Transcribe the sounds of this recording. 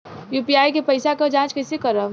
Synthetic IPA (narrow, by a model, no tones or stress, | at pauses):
juːpiaːjkepəɪsakad͡ʒãːt͡ʃkɐsekəɾə